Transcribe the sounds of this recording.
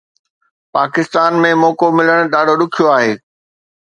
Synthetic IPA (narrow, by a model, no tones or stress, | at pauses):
paːkɪst̪aːnmẽmɔːkomɪləɽ̃ʊɗaːɖʱoɗʊkʰijoaːɦeː